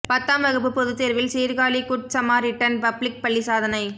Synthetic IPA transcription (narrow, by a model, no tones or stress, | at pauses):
pɐt̪ːaːmʋɐɣɯp̬ːɯpːɔðɯt̪ːeːɾʋɪlsiːɾɣaːlikʊʈ̚sɐmaːɾɪʈːɐnpɐblɪk̚pɐɭːisaːðɐnɐɪ